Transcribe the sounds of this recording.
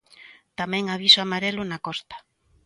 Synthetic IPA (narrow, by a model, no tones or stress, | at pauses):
t̪amɛ̃ŋaβ̞isoamaɾelʊnakɔst̪ḁ